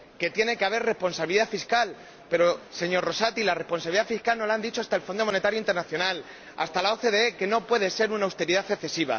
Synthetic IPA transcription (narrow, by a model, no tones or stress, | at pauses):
ke̞t̪je̞ne̞keaβe̞ɾre̞spo̞nsaβiliðafiskal | pe̞ɾo̞se̞ɲo̞ɾro̞sat̪ilare̞hpo̞nsaβiliðafiskalno̞laand̪it͡ʃoast̪aelfo̞nd̪o̞mo̞ne̞t̪aɾjoint̪e̞ɾnaθjo̞nal | a̰st̪alao̞θe̞ðe̞eke̞no̞pwe̞ðe̞se̞ɾunawst̪e̞ɾiðaθeθe̞siβ̞a̰